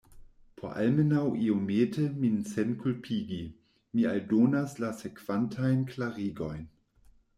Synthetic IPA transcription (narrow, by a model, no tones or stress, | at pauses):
pʰo̰ʔa̰lmenawʔiomeːtʰəminsɛnkʰulpʰiːɡi | mialdoːnaslasekv̥antʰajnklaʁiːɡojn